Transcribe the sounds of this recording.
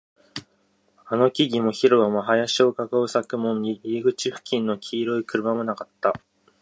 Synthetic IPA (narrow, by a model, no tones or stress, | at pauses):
ano̞kʲiɡʲimo̞çiɾoβamaɦajaɕiokakaɯ̟sakɯ̟mõ̞ɲ̟ːiiːɡɯ̟t͡ɕiɸɯ̟̥kʲĩnːo̞kʲʰiːɾo̞ikɯ̟ɾɯ̟mamo̞nakat̪ːa